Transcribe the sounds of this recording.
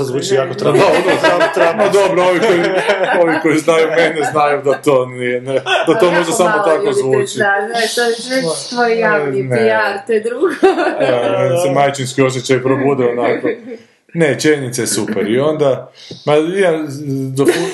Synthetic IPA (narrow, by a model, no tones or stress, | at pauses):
azʋuːt͡ʃijakot̪ɾaod̪ojakot̪ɾamad̪obɾooʋikoioʋiko̞jiznajumeneznajud̪at̪o̞ːnijened̪at̪omo̞ʒd̪asamot̪akozʋuːt͡ʃiaat̪oet̪ʋojejaineaɾt̪ed̪ɾuɡoensemajt͡ʃinskio̞s̬jet͡ɕajpɾobud̪ɛonako | net͡ʃjenit̪sajesupeɾio̞nd̪amaimad̪o